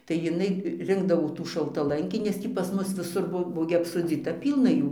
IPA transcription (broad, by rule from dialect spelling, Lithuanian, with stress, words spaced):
tɐɪ jɪˈnɐɪ ˈrʲɪŋɡdɐʋoː tuː ʃɐlˠtɐˈlˠɐŋʲkʲiː nʲɛs ˈtʲiː pɐs ˈmʊs ʋʲɪˈsʊr ˈbuɔ ˈbuɔ ɡʲɪ ɐpsoːˈd͡zʲiːtɐ ˈpʲiːlˠnɐ ˈjuː